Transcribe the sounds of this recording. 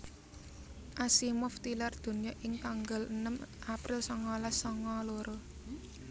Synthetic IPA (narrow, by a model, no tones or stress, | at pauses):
ʔasimʊft̪ilard̪̥ṳnijɔʔɪŋt̪aŋɡələnəmʔapɾɪlsɔŋɔlasɔŋɔloɾo